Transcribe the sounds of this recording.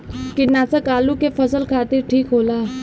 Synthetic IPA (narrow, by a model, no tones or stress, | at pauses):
kɪnat͡sakaːlukefəsəlkʰaːt̪iɾʈʰiːkɦolaː